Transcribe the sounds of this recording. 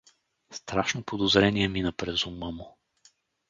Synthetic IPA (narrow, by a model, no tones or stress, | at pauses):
st̪ɾaʃnopʰod̪ozɾɛniɛminəpɾɛzʊməmʊ